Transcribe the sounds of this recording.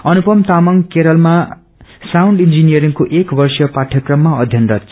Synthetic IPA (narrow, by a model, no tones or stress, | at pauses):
ʌnupʌmt̪amʌŋkeɾʌlma | sawɳɖind͡zinijʌɾiŋkoʔekbʌrsjʌpaʈʰjʌkrʌmːaʌd̪ʱjʌnrʌt